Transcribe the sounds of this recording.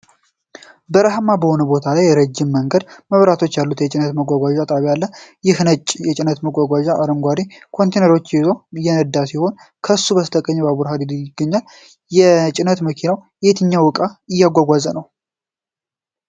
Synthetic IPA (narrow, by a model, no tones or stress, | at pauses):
bəɾaɦmːabəho̞nəbo̞t̪ʰalajːɛɾəd͡ʒːɪmːəŋɡəd̪məβɾat̪ʰo̞t͡ʃːjalːut̪jɛt͡ʃʼɪnət̪məɡʷaɡʷaʒat̪ʼaβjalːəjɪhnət͡ʃʼjɛt͡ʃʼɪnət̪məɡʷaɡʷaʒaʔaɾəŋɡʷaɾikʰo̞nt̪ʰejnəɾo̞t͡ʃːizojɛnəd̪asiho̞n | kʰəsːuβəst̪ʰʼəkʼːəɲːbaβuɾɦad̪id̪ɪɡːəɲːal | jɛt͡ʃʼɪnət̪məkʰinawjɛt̪ʰɨɲːawɨkʼaɪjːaɡʷaɡʷazənəw